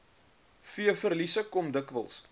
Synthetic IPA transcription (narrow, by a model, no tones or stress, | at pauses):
fiəfərlisəkɔmdəkvə̰lˠs